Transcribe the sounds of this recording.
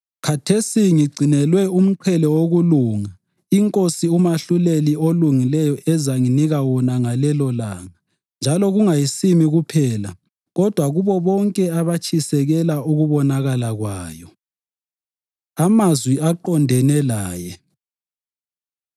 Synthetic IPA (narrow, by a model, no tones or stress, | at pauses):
kʰatʰesiŋiɡ͡ǀʱinɛlwɛum̩ǃʰɛlɔwoɣuluːŋa | iŋkʼosiumaɬulelioluŋilɛjɔʔɛzaŋiniɣawɔnaŋalɛlɔlaːŋa | nd͡ʒʱalɔɣuŋajisimiɣupʰɛːla̰ | ɣɔd̥ʱwaɣuβɔβɔŋkʼɛaβat͡ʃʰʼisɛɣɛlauɣuβɔnaɣalaɣwaːjɔ | amazwiaǃɔndʱɛnɛlaːjɛ